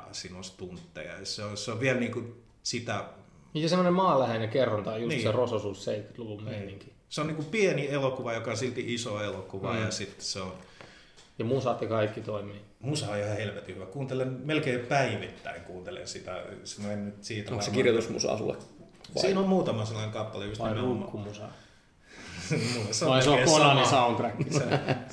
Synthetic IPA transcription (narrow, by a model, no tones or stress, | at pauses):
sinost̪unt̪ːḛjɑ̰seoseoʋʋiælniːku | sit̪æ | isesemːonemmɑːlæhenekerːɑnt̪ɑijunsiːserososuːsseit̪ky̥t̪luʋulmeiniŋki̥ | seonniːŋkupienielokuʋɑjokɑonsilt̪iʔisoelokuʋɑjɑsit̪ːseon | jɑmusɑt̪jɑkɑikːit̪oimiː | musɑojihɑhelʋet̪ihyʋækuːnt̪elenmelkeːpæiʋit̪ːæ̰iŋkuːnt̪elḛnsit̪æ̰semennyt̪siːt̪æsekirjot̪usmṵsɑ̰sṵlːḛ | siːnommuːt̪ɑmɑselːɑneŋkɑpːɑleyst̪æmeumkːumusɑ̰ | museoseonɑosɑont̪rækːise